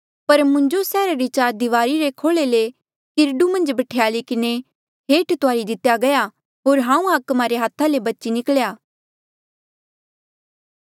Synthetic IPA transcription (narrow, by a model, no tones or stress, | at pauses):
pɐɾmʊ̃ɲd͡ʒosɛːɾaɾit͡ʃaːɾd̪ɪʋaːɾiɾekʰoːɭele | kɪɾɖumɐ̃nd͡ʒbɐʈʰejaːlikɪne | ɦeːʈt̪oaːɾid̪ɪt̪ːjaɡɐja | ɦoːɾɦãːũaːkmaɾeɦaːt̪ʰãlebɐtːt͡ʃinɪkɭjaː